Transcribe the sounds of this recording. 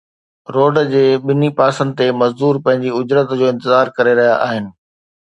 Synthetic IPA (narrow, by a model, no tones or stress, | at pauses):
ɾoːɖd͡ʑeːɓɪnipaːsə̃nd̪ɪt̪emɐzd̪uːɾpɐ̃ɦɪ̃ɲd͡ʑiʊd͡ʑɾət̪d͡ʑoːɪ̃nt̪ɪzaːɾkɐɾeɾɐɦijaʔaːɦɪnɪ̆